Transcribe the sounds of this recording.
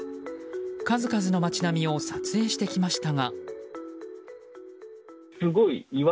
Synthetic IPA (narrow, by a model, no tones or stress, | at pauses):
kazɨkazɨno̞mat͡ɕinamʲio̞sat͡sɨe̞ːɕi̥t̪e̞kʲimaɕi̥t̪aŋa | sɨɡo̞iiβ